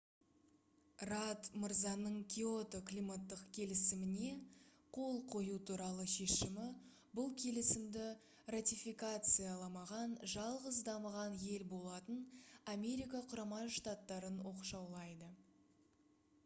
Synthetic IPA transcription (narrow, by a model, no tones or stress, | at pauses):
rat̪məɾzɑnəɴkʲʰiot̪oklʲijmat̪ːəqkʲʰe̞lɪsɪmɪne̞ | qʰo̞lˠqʰo̞jut̪ʰuɾɑlˠəʃe̞ʃɪmɪ | bʊlˠkʲʰe̞lɪsɪmd̪ɪ | rat̪ʲifikat̪sɨjalˠɑmɑʁɑnʒɑlˠʁəzd̪ɑməʁɑnje̞lbo̞lˠɑt̪ənamʲe̞ɾijkaqʰʊɾɑmɑʃt̪at̪ːɑɾənwo̞qʃɑwlˠɑjd̪ə